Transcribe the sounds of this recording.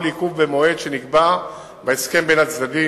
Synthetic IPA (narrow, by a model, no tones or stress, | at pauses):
likuvːemo̞e̞d̪ʃenikba | baeske̞mbenat͡sd̪adi